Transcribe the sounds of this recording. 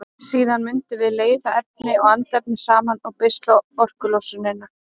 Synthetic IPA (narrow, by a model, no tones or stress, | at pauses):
siːðanmʏnt̪ɪvɪðleːjðaɛp̚nɪɔɣant̪ɛp̚nɪsaːmanawpɪst̪laɔr̥kʏlowsʏnːɪnːa